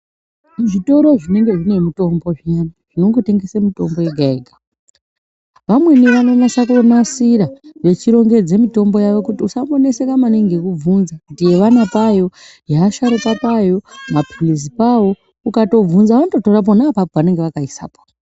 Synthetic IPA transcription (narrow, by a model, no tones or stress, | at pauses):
ʐito̞ɾo̞ʐine̞ŋɡe̞ʐine̞mito̞mbo̞ʐiɲanaʐ̥ino̞ŋɡote̞ŋɡesemito̞mbo̞je̞ɡʱaeɡʱa | ʋamwe̞niʋano̞masakonasiɾaʋe̞t͡ʃiɾo̞ŋɡe̞d͡ze̞mito̞mbo̞jaʋo̞kutiusamone̞sekamaneŋɡe̞kuvunzakutije̞ʋanapajo̞ | jaːʃaɾikapajo̞mapʰilis̬ipawo̞ | ukato̞b͡vunzaʋanoto̞torap̬onaːpapoʋane̞ŋɡe̞ʋakaisa̰po̥